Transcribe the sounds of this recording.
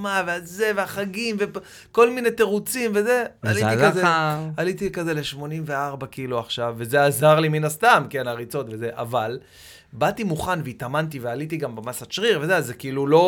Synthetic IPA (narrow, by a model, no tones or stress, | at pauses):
mavealze̞veaχaɡimve | ko̞lminet̪e̞ʁut͡simve̞ze̞aliikazealit̪ikaze̞le̞ʃmo̞nimveaʁbakiluaχʃavːe̞ze̞azaʁliminast̪amke̞naʁit͡so̞tveze̞ʔa̰val | bat̪imuχanveit̪amant̪̬ivealit̪iɡambemasat͡ʃʁiʁve̞zeazekiilulo̞